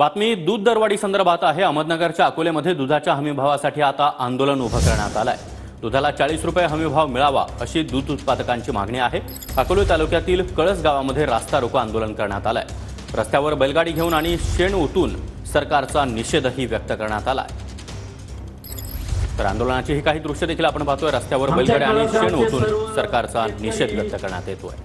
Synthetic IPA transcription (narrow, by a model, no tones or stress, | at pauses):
bat̪miːd̪uːd̪ːəɾʋaɽiːsənd̪əɾbʱat̪aɦeəməd̪nəɡəɾt͡ɕjaəkoleməd̪ʱjed̪ud̪ʱat͡ɕjaɦəmibʱaʋasaʈʰiːat̪aʔand̪olənubʱəkəɾɳja̰t̪ala̰j | d̪ud̪ʱalat͡saɭiːsɾupjaɦəmibʱaʋmiɭaʋa̰əɕiːd̪uːd̪ut̪pad̪əkaɲt͡ɕiːma̰ɡʱɳiaɦe | akolot̪alukjat̪iːlkəɭət͡sɡaʋaməd̪ʱːjeɾast̪aɾokəand̪olənkəɾɳja̰t̪ala̰j | ɾəst̪ʰjaʋəɾbəjlɡaɽiːɡʱeuːnaɽ̃iɕeɳot̪uːn | səɾkaɾt͡saniɕed̪ɦiːʋjək̚t̪əkəɾɳat̪ala̰j | t̪əɾa̰nd̪oləɳat͡ɕiːɦiːkaɦiːd̪ɾukʂəd̪ekʰiːlapəɳbaɦt̪ojɾəst̪ʰjaʋəɾbəjlɡaɽiaɽ̃iɕeɳot̪uːnsəɾkaɾt͡saniɕed̪ʋjək̚t̪əkəɾɳa̰t̪jet̪o̰j